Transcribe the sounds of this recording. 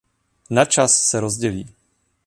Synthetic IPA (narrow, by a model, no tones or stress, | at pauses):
nat͡ʃasːɛɾozɟɛliː